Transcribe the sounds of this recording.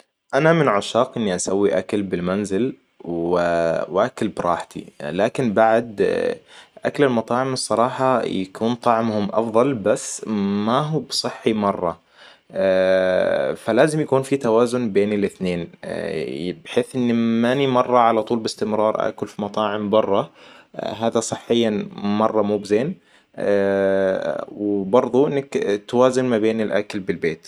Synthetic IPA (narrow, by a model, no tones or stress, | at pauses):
ʔanamɪnʕaʃɑːqʔɪnːiʔasawːiʔakalbɪlmanzɪl | wɪwʔakalbɾˤɑːħt̪ʰḭlaːkɪnbaʕd̪ | ʔaklɪlmɑt̪ˤɑːʕɪmɨsˤːɑɾˤɑːħɑja̰kuːnt̪ˤɑʕmhʊmʔɑ̰fðˤɑlbasːmaɦuːbsˤɨħːimɑrˤːɑ | falaːzɪmjakuːnfit̪awaːzʊnbeːnɪlʔɪθneːn | bɪħeːθʔɪnːmanimɑrˤːɑʕalat̪ˤuːlbɪst̪ɪmɾɑːɾˤʔa̰ʔkʊlfimɑt̪ˤɑːʕɪmbɑrˤːɑ | ɦaːd̪asˤɨħːɪjːamɑrˤːɑmuːbɪzeːn | wbɑɾˤðˤuʔɪnːakt̪waːzɪnmabeːnɪlʔa̰klbɪlbeːt̪